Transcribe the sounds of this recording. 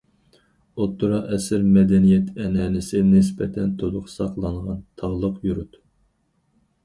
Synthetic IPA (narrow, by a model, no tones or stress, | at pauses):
ot̪ʰːuɾɑʔɛsɪɾmɛd̪ɛnijɛt̪ɛnɛnɪsɪnɪspɛt̪ʰɛnt̪ʰod̪ʊqsɑqlˠɑɴʁɑnt̪ʰɑʁlˠəqjuɾut̪